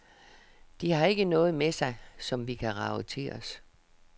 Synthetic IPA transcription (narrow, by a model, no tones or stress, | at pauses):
d̥ihɑ̈e̝ɡ̥ənɔ̽ːð̞̩ˠmesɑ̈ɪsɒ̽mʋikʰæʁɑ̈ʊət͡sʰe̝ɒs